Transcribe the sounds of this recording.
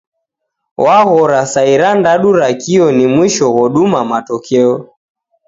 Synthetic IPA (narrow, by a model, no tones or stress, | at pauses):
wʔaɣɔɾasaiɾandaɗuɾakiɔnimwiʃɔɣɔɗumamatɔkʰɛɔ